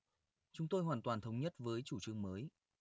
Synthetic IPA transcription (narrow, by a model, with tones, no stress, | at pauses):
t͡ɕʊ˨˦ŋ͡mt̪o˧jɦwaː˨˩nt̪waː˨˩nt̪ʰə˨˦wŋ͡mɲə˦˥t̚vəː˨˦jt͡ɕu˧˩t͡ɕɨ˧əŋməː˨˦j